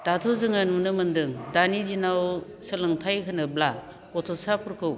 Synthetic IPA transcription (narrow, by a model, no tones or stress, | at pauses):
d̥atʰuzɯŋanmunɯmɯndɯŋdanizinaw | sɯlɯŋtʰajkʰɯnɯbla | kɔtʰɔsapʰɯɾkʰɯw